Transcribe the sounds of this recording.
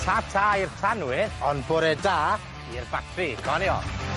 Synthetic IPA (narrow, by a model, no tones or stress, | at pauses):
tʰaːtʰaːirtʰanwɪðɔnboɾɛdaː | irbatʰriɡʰɔnjɔ̰